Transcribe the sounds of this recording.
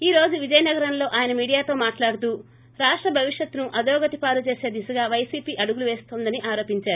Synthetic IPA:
iːɾo̞ːd͡ʒuʋid͡ʒɐjɐnɐɡɐɾɐnlo̞ːʔaːjɐnɐmiːɽijaːt̪o̞ːmaːʈlaːɽut̪̬uː | ɾaːʂʈɾɐbʱɐʋiʂjɐt̪ːunuʔɐd̪ɔːɡɐt̪ipaːɾut͡ʃe̞ːse̞ːd̪isuɡaːʋɐjsiːpiːʔɐɽuɡuluʋeːst̪oːnd̪ɐniʔaːɾo̞ːpiɲt͡ʃaːɾuu

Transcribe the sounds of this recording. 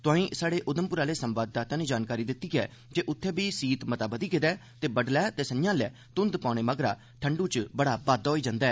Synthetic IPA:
t̪ʊãːĩːsaːɽeːʔʊd̪əmpʊɾaːleːsəmbaːd̪̚d̪aːt̪ãːneːd͡ʒaːnkaːɾiːd̪ɪt̪ːiːɡɛː | d͡ʒeːʔʊt̪ʰːeːbiːsiːt̪mət̪aːbəd̪iːɡed̪ɛːt̪eːbəɖlɛːt̪eːsənɪjãːlɛ̰ː | t̪ʊnd̪pãːɽ̃eːməɡɾaː | ʈʰəɳɖuːt͡ʃbəɽaːbaːd̪ɦoːiːd͡ʒãːnd̪aɛː

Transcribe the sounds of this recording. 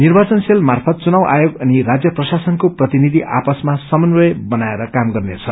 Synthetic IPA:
nirbat͡sʌnselmarpʰʌt̪̚t͡sunawʔa̰joɡʌnirad͡zjʌprʌsasʌnkoprʌt̪inid̪ʱiʔa̰pʌsmasʌmʌnwʌjbʌnaeɾʌkamɡʌrnet͡sʰʌ

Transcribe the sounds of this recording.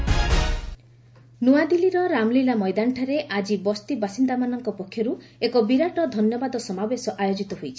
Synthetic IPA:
nuad̪iliɾɔɾamlilamɔjd̪aɳʈʰaɾeʔad͡ʒibɔst̪ibasind̪amanɔŋkɔpɔkʰːjɔɾuekɔbiɾaʈɔd̪ʱɔnjɔbad̪ɔsɔmabesɔʔajod͡ʒit̪ɔɦojt͡ʃʰi̥

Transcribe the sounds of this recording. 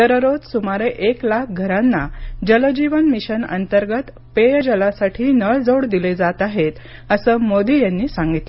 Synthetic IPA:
t̪əɾəɾot̪sumaɾeʔeklak̚ʰɡʱəɾãnːad͡ʑələd͡ʑiʋənmiɕənə̰nt̪əɾɡət̪ | pejd͡ʑəlasaʈʰiːnəɭd͡zoɽd̪iled͡zat̪aɦet̪ | əsəːmod̪ijanːiːsaŋɡit̪lə

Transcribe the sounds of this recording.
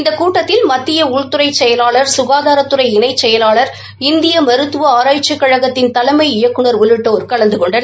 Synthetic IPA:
ɪnd̪ɐkuːʈːɐt̪ːɪlmɐt̪ːɪjɐʊɻt̪ʊɾɐɪt͡ʃɛjɐlaːɭɐɾsʊɣaːðaːɾɐt̪ːɯɾɐɪɪnɐɪt͡ʃːɛjɐlaːɭɐɾ | ɪnd̪ɪjɐmɐɾɯt̪ːɯʋɐaːɾaːjt͡ʃːɐkːɐɻɐɣɐt̪ːɪnt̪ɐlɐɪmɐɪɪjɐkːɯɳɐɾʊlɪʈːɐːɾkɐɭɐnd̪ɯkɔɳɖɐn

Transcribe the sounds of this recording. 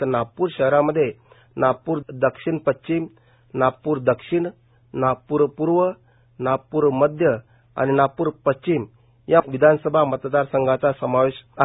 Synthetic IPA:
napuːɾɕəɦɾaməd̪ʱːje | napuːɾd̪əkʂiɳpətt͡ɕim | napuːɾd̪əkʂiɳ | napuɾpuɾʋə | napuːɾməd̪ʱjə | a̰ninapuːɾpəst͡ɕim | jaʋid̪ʱansəbʱamət̪d̪aɾsəŋɡat͡sasəmaʋiɕa

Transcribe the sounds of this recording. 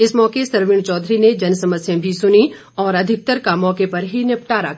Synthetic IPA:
ɪsmɔːkesɐɾʋɪɳt͡ʃɔːd̪ʱɾined͡ʒɐnsɐməsjẽbʱisʊni | ɔːɾɐd̪ʱɪk̚t̪əɾkamɔːkepɐɾɦinɪp̚ʈaːɾa

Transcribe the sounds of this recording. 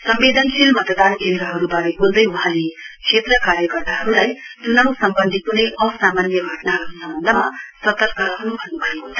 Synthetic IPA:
sʌmbed̪ʱʌnsilmʌt̪əd̪aːnkend̪ɾʌɦʌɾubaɾeɡold̪ʌjwaɦãlekʂʰet̪rəkaːɾjʌkʌrt̪aɦʌɾulaj | t̪unʌusʌmbʌnd̪ʱikuneʔʌ̃saːmaːnjʌɡʱʌʈnaɦʌɾkosʌmbʌnd̪ʱəmasʌt̪əɾkaɾɦʌnubʱʌnːubʱajeɦont̪ʰi

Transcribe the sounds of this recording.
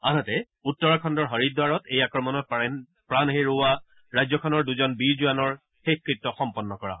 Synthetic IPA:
a̰natɛ | utːɔɹɔkʰɔndɔɹɦɔɹidaɹɔtejakɹɔmɔnɔt̚p | pɹanɦeɹoa | ɹajzɔkʰɔnɔɹduzɔnbiɹzuanɔɹ | xekɹitːɔxɔmpɔnːɔkɔɹa̰ɦɔ

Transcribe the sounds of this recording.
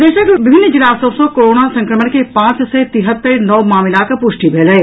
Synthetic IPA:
d̪eːʃəkbɪbʱɪnːəd͡ʒɪlaːsəʋsõkoːɾoːnasɐ̃ŋkɾəmənkepãːt͡ʃsɛt̪ɪɦət̪ːəɾnɔʋmaːmɪlakɐpʊʃʈibʱeːləe

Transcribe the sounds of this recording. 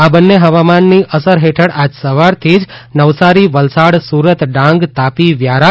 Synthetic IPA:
abənːeɦəʋamanːiʔəsəɾɦeʈʰəɽad͡ʒsəʋaɾt̪ʰid͡ʒnəʋsaɾiʋəlsaɽsuɾət̪ɖãŋɡt̪apiʋjaɾa

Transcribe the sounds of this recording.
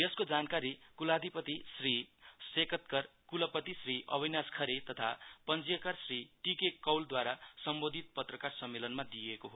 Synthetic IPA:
jʌskod͡zankaɾikulad̪ʱipʌt̪isrisekʌt̪kʌrkulʌpʌt̪isriʔʌ̰bʱinaskʰʌɾet̪ʌt̪ʰa̰pʌnd͡zijʌkarsriʈikekʌwld̪waɾasʌmbod̪ʱit̪̚pʌt̪rʌkarsʌmːelʌnmad̪ijekoɦo

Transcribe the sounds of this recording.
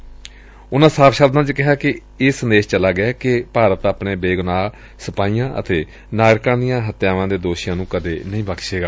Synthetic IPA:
ʊnãːsaːpʃaːbd̪ãːt͡ʃkɪɦaːkɪ | eːsənd̪eːʃt͡ʃəlaːɡɪaːkɪpaːɾət̪aːpneːbeːɡʊnaː | səpaːiːãːʔə̰t̪eː | naːɾkãːd̪ijãːɦət̪jaːʋãːd̪eːd̪oːʃɪjãːnũːkəd̪eːnəĩːbəkʃeːɡaː

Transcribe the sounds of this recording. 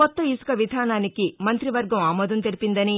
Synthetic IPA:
kɔt̪ːɐisu̥kɐʋid̪ʱaːnaːnikimɐnt̪ɾiʋɐɾɡɐmaːmɔːd̪ɐnt̪eɾipind̪ɐni

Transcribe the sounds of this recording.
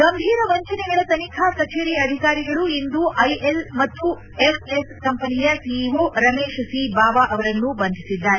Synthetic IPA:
ɡɐmbʱiːɾɐʋɐɲt͡ʃɐnɛɡɐɭɐt̪ɐnikʰaːsɐt͡ʃeɾiɐd̪ʱikaːɾiɡɐɭuind̪uʔɐjelmɐt̪ːu | epeskɐmpɐnijɐsiʋuɾɐmeːʃɐsibaːʋaʔɐʋɐɾɐnːubɐnd̪ʱisid̪ːaːɾe

